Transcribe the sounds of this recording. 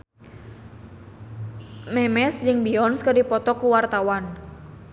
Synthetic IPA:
mɛmɛsd͡ʒɨŋbiɔnskərdipɔt̪ɔkuwart̪awan

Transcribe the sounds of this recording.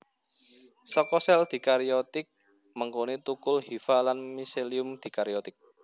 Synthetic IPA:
sɔkɔsɛld̪̥i̤kaɾiɔt̪ɪk̚ | məŋkonet̪ukʊlhifalanmiseliʊmd̪̥i̤kaɾiɔt̪ɪk̚

